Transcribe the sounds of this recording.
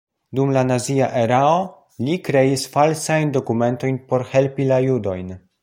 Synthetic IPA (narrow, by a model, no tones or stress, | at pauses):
dumlanaziaʔeɾao | likɾe̞isfalsajndo̞kume̞nto̞jnpo̞ɾhe̞lpilajudo̞jn